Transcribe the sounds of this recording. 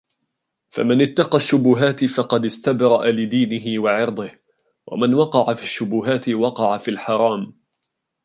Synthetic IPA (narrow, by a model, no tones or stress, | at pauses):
fa̰manɪt̪ːɑqɑʃːʊbʊɦaːt̪ɪfɑqɑd̪ɪst̪abɾˤɑʔalɪd̪iːnɪɦɪwɑʕɪɾd̪ˤɨh | wʔa̰manwɑqɑʕafiʃːʊbʊɦaːt̪ɪwɑqɑʕafilħɑɾˤɑːm